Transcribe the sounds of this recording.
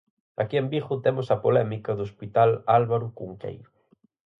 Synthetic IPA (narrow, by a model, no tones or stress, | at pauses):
ɐ̰kiembiɣʊt̪emʊsɐpolɛmikɐðoospit̪alalβaɾʊkuŋkḛjɾʊ